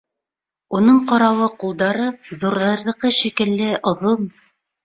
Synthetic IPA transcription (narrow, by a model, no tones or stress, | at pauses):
unɤɴqɑɾɑwɤqulˠd̪ɑɾɤðuɾðɑɾðɤ̆qɤʃikɘ̆lːɘʔŏðom